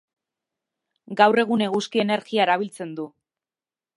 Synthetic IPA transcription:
ɡawre̞ɣune̞ɣuskie̞ne̞ɾɣiaeɾaβ̞ilt͡se̞nd̪u

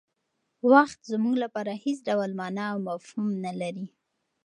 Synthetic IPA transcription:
waxt̪zmuɡlapɑɾahesɖawalmɑnaːwmafhumnalaɾi

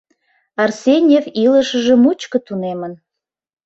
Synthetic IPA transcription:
ɑrsʲenʲjeviləʃəʒə̆mut͡ɕkə̆t̪unemən

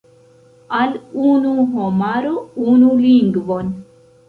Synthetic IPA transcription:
alunuɦomaɾounuliŋɡvon

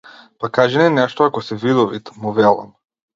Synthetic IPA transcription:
pakaʒɛnɛnɛʃt̪ɔakɔsɛvid̪ɔvit̪muvɛlˠa̰m

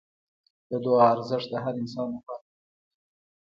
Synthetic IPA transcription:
d̪̥əd̪oɑːɾzɪʂt̪d̪əɦaɾɪns̬ɑnoxa

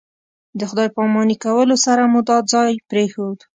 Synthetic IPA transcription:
d̪əxʊd̪ɑjpɑmɑnikawəlosaɾamud̪ɑd̪̚zɑjpɾexod̪

